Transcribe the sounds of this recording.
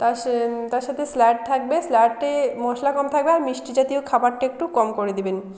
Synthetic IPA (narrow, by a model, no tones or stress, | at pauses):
t̪at̪aɾʃat̪ʰeslɛʈ̚t̪ʰak̚beslɛʈʈemɔʃlakɔmt̪ʰak̚beaɾmiʃʈid͡ʑat̪iokʰabaʈʈeek̚ʈukɔmkoɾed̪iben